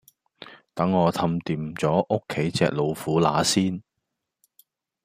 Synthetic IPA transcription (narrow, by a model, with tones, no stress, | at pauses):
t̪ɐ˨˥ŋːɔː˨˧t̪ʰɐ˧mt̪iː˨mt͡sɔː˨˥ʔo˥kʰːe˨˥jt͡sɛ̰ː˧k̚lo˨˧wfuː˨˥la̰ː˨˥siː˥n